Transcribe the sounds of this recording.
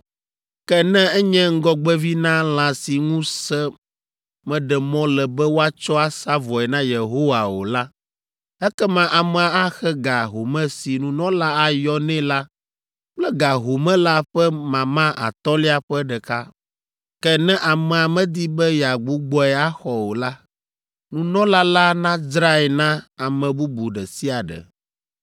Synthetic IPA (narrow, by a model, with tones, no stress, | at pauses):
kɛ˦nɛ̃˦ɛ˦ɲɛ̃˦ŋ̩˦ɡɔ˦ɡ͡bɛ˦vi˦nã˦lã˨si˨ŋũ˦sɛ˦ | mɛ̃˨ɖɛ˨mɔ̃˦lɛ˨bɛ˦wo˦a˦t͡ʃɔ˦a˦sa˦vɔ˨ɛ˨nã˦je˨ɦo˦wa˨wo̰˨la˦ | ɛ˦kɛ˦mã˦ʔa˨mɛ˨a˨a˦xɛ˦ɡa˨ɦo˨mɛ̃˦si˨nũ˦nɔ̃˦la˦a˨jɔ˦nɛ̃˦la˦ | k͡plɛ˦ɡa˨ɦo˨mɛ̃˦la˦ɸɛ˦mã˨mã˦ʔa̰˨t̪ɔ˦li˦a˨ɸɛ˦ɖɛ˨ka˦ | kɛ˦nɛ̃˦ʔa˨mɛ̃˨a˨mɛ̃˦d̪i˦bɛ˦ja˨ɡ͡bu˦ɡ͡bɔ˦ɛ˨a˦xɔ˨wo˨la˦ | nũ˨nɔ̃˦la˦la˦nã˦d͡zɾa˦ɛ˨nã˦a˨mɛ̃˨bu˦bu˨ɖɛ˨si˦a˨ɖɛ̰˨